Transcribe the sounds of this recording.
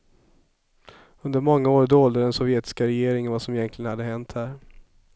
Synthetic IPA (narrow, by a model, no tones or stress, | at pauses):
ɵnd̪əɾmɔŋːaoːɾd̪oːld̪əd̪ɛnsɔvjeːt̪ɪ̥skaɾɛjeːɾɪŋənvasɔmɪjɛnkʰlɪɡənhad̪ːəɦɛnt̪hæːɾ